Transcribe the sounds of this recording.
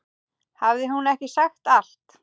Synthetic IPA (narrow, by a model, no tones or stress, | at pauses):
havðɪɦunɛhcɪsaxt̪al̥t̪